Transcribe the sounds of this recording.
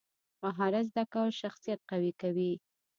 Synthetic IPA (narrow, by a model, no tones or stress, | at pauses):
maɦɑɾazd̪akawəlʃaxsijat̪̚qawikawi